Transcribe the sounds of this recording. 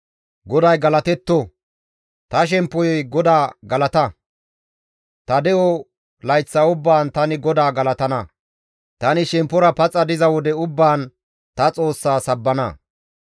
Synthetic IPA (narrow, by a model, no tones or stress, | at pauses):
ɡɔd̪ɐjɡɐlɐt̪ɛt̪ːɔ | t̪ɐʃ̬ɛmpːɔjɔjɡɔd̪aːɡɐlɐt̪ɐ | t̪ɐd̪ɛʔɔ | lɐjt͡sːɐʊbːaːnt̪ɐnɪɡɔd̪aːɡɐlɐt̪ɐnɐ | t̪ɐnɪʃɛmpːɔɾɐpɐt͡sʼːɐd̪ɪzɐwɔd̪ɛʊbːaːn | t̪ɐt͡sʼo̞ːsːaːsɐbːɐnɐ̰